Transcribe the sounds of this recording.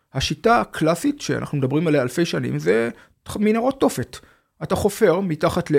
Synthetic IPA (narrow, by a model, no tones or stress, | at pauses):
haʃitakʰlasitʃea̰na̰χnumed̪abʁimalajalfe̞jʃanḭmze | minaʁo̞tːo̞fet | ʔataχo̞fe̞ʁmitaχatle